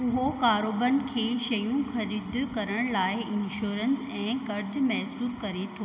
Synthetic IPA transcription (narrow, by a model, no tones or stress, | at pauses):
ʊɦokaːɾoːbənɪ̆kʰeːʃɐjũxɐɾiːd̪kɐɾəɽ̃laːɪɪnʃoːɾənsɛ̃ːkɐɾd͡ʑmɛɦsuːɾkɐɾet̪ʰoː